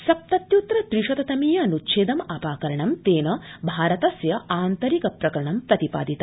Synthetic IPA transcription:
sɐp̚t̪ɐt̪jut̪ɾɐt̪ɾiʂɐt̪ɐt̪ɐmijɐɐnutːʃeːd̪ɐmɐpaːkɐɾɐɳɐmt̪eːnɐbʱaːɾɐt̪ɐsjɐaːnt̪ɐɾikɐpɾɐkɐɾɐɳɐmpɾɐt̪ipa̰ːd̪it̪ɐ

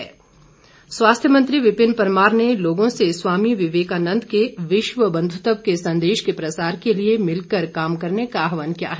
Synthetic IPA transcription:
ɛː | swaːst̪ʰjəmɐ̃nt̪ɾiʋɪpɪnpɐɾmaːɾneloːɡõseswaːmiʋɪʋeːkaːnə̃nd̪ʱkeʋɪʃʋəbɐ̃nd̪ʱʊt̪əbkesɐ̃nd̪eːʃkepɾɐsaːɾkeliemɪlkəɾkaːmkɐɾnekaɦʋənkja̰ːɦɛː

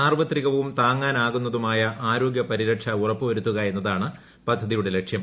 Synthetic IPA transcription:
aːrʋɐt̪riɣɐʋumt̪aːŋːaːnaːɣun̪ːɐðumaːjɐʔaːɾo̞ːɡjɐpɐɾiɾɐʈʂɐurɐpːɨʋɐɾut̪ːuɣɐe̞nːɐðaːɳɨ | pɐd̪ʱːɐðijuɽe̞le̞kʂjɐm

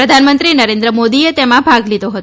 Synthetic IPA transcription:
ɾəd̪ʱanmənt̪ɾinəɾend̪ɾəmod̪iet̪emãbʱaɡlid̪ʱoɦət̪

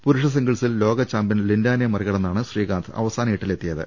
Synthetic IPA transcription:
puɾuʂɐs̬iŋɡiɭsillo̞ːɣɐt͡ɕaːmbɐnlindaːnɐjɐmɐriɣɐɭɐnːaːɳɨɕriːɣaːnt̪ʰɨɐ̰ʋɐsaːnɐjiʈːile̞t̪ːijɐðɨ̰

